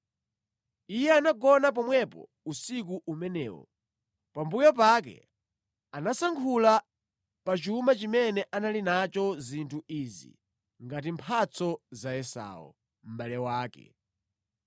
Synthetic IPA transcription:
ijɛanaɡɔnap̬ɔmwɛpɔ̰ | usikuʔumɛnɛːwɔ̰ | pambujɔp̬ak̬ɛ̰ | anasaŋkʰula | pat͡ʃumat͡ʃimɛnɛʔanalinat͡ʃɔzintʰuʔiːzḭ | ŋɡat̬impʰat͡sʰɔzajɛsa̰ːwɔ̰ | m̩balɛwaːkɛ̰

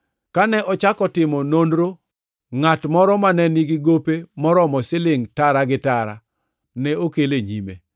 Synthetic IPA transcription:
kanɛʔɔt͡ʃakɔtɪmɔnondɾo | ŋatmɔɾɔmanɛniɡɪɡopemɔɾɔmɔsɪlɪŋtaɾaɡɪtaɾa̰ | nɛokeleɲḭmḛ

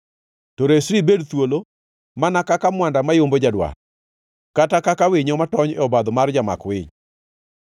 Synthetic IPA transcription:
tɔɾesɾibedt̪wolo | manakakamwandamajombod͡ʒadwa̰ | katakakawɪɲɔmatɔɲɔbad̪ɔmard͡ʒama̰kwɪɲ

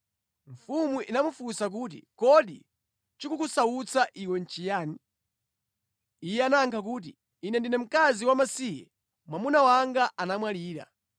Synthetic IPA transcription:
ɱ̩fumuʔinamufusak̬uːt̬ḭkɔɗi | t͡ʃikukusaut͡sʰaʔiwɛn̩t͡ʃijaːni | ijɛanaŋkʰak̬uːt̬ḭː | nɛndinɛm̩kaziwamasijɛ̰ | mwamunawaŋɡaʔanamwaliːɾa̰

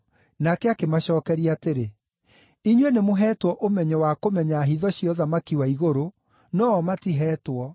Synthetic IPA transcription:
nakɛakemaɕɔːkɛɾiateɾe | iɲwenemoɦɛːtwɔʔomɛɲɛwakomɛɲaːɦiðɔɕjɔðamakiwaiɣoɾo | nɔːmatiɦɛːtwɔ

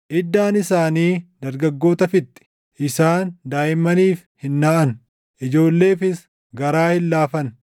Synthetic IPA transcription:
ʔɪd̪ːaːnɪsaːniːd̪ɐɾɡɐɡːo̞ːt̪ɐfɪt̪ːɪ̥ | ʔɪsaːnd̪aːʔɪmːɐniːf | hɪnːaːʔɐn | ʔɪd͡ʒo̞ːlːe̞ːfɪs | ɡɐɾaːhɪlːaːfɐn

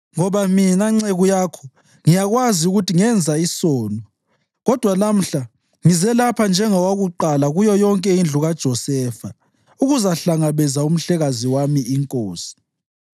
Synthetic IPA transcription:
ŋɔβaminaŋ͡ǀeɣujakʰɔ̥ | ŋijaɣwaziuɣutiŋɛnd͡zʱaisɔːnɔ | ɣɔd̥ʱwanam̩ɬa | ŋizɛlapʰand͡ʒʱɛŋɔwaɣuǃalaɣujɔjɔŋkʼɛind͡ɮʱuɣad̥ʒ̥ʱɔsɛːfa | uɣuzaɬaŋaβɛzaum̩ɬɛɣaziwamiːŋkʼoːsi̥

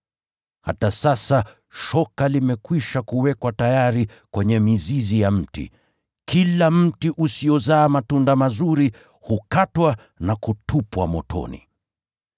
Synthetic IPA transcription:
ha̰tasasa | ʃɔkalimɛkwiʃakuwɛkwatajaɾi | kwɛɲɛmizizijam̩tḭ | kilam̩tiʔusijɔzaːmatundamazuɾi | hukatwa | nakutʰupwamɔ̰tʰɔ̰nḭ

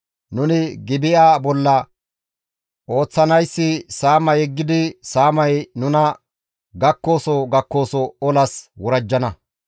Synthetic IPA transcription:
nʊnɪɡɪbɪjaːbɔlːɐ | ʔo̞ːt͡sːɐnɐjsːɪsaːmɐjɛɡːɪd̪ɪsaːmɐjnʊnɐ | ɡɐkːo̞ːsɔɡɐkːo̞ːsɔɔlɐswɔɾɐd͡ʒːɐnɐ

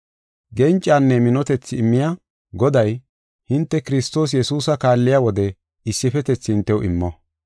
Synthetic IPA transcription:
ɡɛnt͡ʃʼːaːnːɛmɪnɔt̪ɛt͡sːɪɪmːɪja | ɡɔd̪ɐj | hɪnt̪ːɛkɪɾɪst̪o̞ːs̬jɛsuːsɐkaːlːɪjaːwɔd̪ɛ | ɪsːɪfɛt̪ɛt͡sːɪhɪnt̪ːɛwʔɪ̰mːɔ

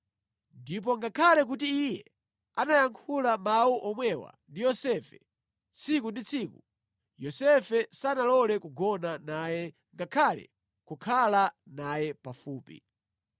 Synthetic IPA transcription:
ndip̬ɔŋɡakʰalɛk̬utiːjɛ̰ | anajaŋkʰulamauʔɔmwɛwa̰ndijɔsɛfɛ | t͡sʰikundit͡sʰiːku | jɔsɛfɛsanalɔlɛkuɡɔnanajɛ | ŋɡakʰalɛ̰ | kukʰalanajɛpafuːpḭ

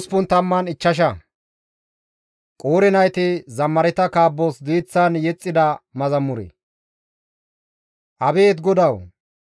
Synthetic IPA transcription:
spʊnt̪ɐmːɐnɪt͡ʃːɐʃ̬ɐ | kʼoːɾɛnɐjt̪ɪzɐmːɐɾɛt̪ɐkaːbːosd̪iːt͡sːɐnjɛt͡sʼːɪd̪ɐmɐzɐmːʊɾɛ̰ | ʔɐbe̞ːt̪ɡɔd̪ɐw

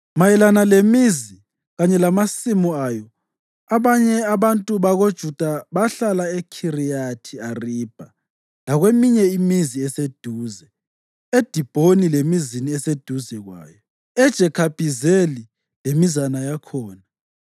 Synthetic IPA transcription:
majɛlanalemizi | ɣaɲɛlamasimuaːjɔ | aβaɲɛaβantʼuβaɣod̥ʒ̥ʱud̥ʱaβaɬalaekʰirijatʰiariːb̥ʱa | laɣwemiɲɛimiziɛsed̥ʱuːzɛ | ed̥ʱib̥ʱonilemiziniɛsed̥ʱuzɛɣwa̰ːjɔ | ɛd̥ʒ̥ʱɛkʰab̥ʱizeli | lemizanajakʰɔːna

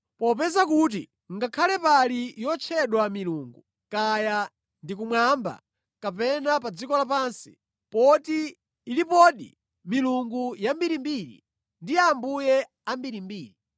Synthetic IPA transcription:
pɔpɛzakut̬ḭ | ŋɡakʰalɛpalijɔt͡ʃʰɛɗwamiluːŋɡu | kaja | ndik̬umwamba̰ | kapɛnapad͡zikɔlapaːnsi̥ | pɔtiː | lipɔɗḭ | miluŋɡujambiɾimbiɾḭ | ndiambujɛ | ambiɾimbiːɾi

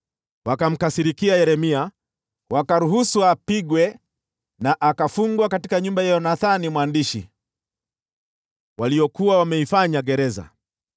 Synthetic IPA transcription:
wakam̩kasiɾikiajɛɾɛmia | wakaɾuɦusuapiɡwɛ | naʔakafuŋɡwakatikaɲumbajajɔnaθanimwandiʃḭ | waliɔkuwawamɛifaɲaɡɛɾɛza̰

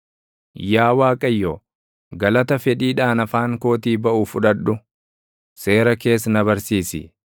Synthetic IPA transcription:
jaːwaːkʼɐjːoː | ɡɐlɐt̪ɐfɛᶑiːᶑaːnɐfaːŋko̞ːt̪iːbɐʔuːfʊᶑɐᶑʊ | se̞ːɾɐke̞ːsnɐbɐɾsiːsɪ̰

